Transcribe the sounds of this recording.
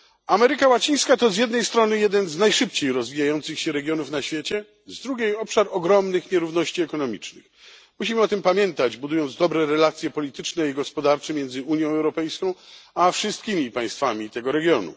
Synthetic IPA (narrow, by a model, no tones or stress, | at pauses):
amɛɾɘkawat͡ɕij̃skat̪ɔzjɛd̪̚nɛjst̪ɾɔnɘjɛd̪ɛnznajʂɘp̚t͡ɕejɾɔzvʲijajɔnt̪sɘxɕɛɾɛɡʲjɔnufnaɕfʲjet͡ɕɛ | zd̪ɾuɡʲjejɔpʂaɾɔɡɾɔmnɘxɲɛɾuvnɔɕt͡ɕiɛkɔnɔmʲit͡ʂnɘ̰x | muɕimɘɔt̪ɘmpamʲjɛnt̪ad͡ʑbud̪ujɔnd̪zd̪ɔbɾɛɾɛlat̪sʲjɛpɔlʲit̪ɘt͡ʂnɛiɡɔspɔd̪aɾt͡ʂɛmjɛnd̪zɘuɲjɔ̃w̃ɛwɾɔpɛjskɔ̃w̃afʂɨst̪̚kʲimʲipaj̃st̪famʲit̪ɛɡɔɾɛɡʲjɔnṵ